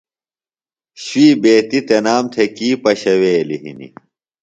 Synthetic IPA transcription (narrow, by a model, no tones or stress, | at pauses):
ɕwiːbeːt̪it̪enaːmt̪ʰekiːpɐɕɐweːliɦḭnḭ